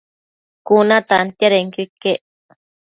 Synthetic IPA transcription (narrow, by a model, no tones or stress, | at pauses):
kunãt̪ant̪jaɾeŋkikːeʔ